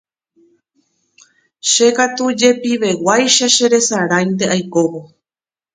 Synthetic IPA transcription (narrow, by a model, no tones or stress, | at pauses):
ʃe̞kat̪ud͡ʒe̞piʋe̞wajʃaʃe̞ɾe̞saɾãjnd̪e̞ʔajko̞ʋo